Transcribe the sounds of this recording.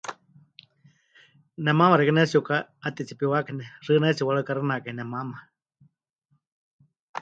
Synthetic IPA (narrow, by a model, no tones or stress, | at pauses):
nɛmamaɾɛkanat͡siukaat̪it͡sipiwakanɛrɨnait͡siwaɺakaɾɨnakainɛmama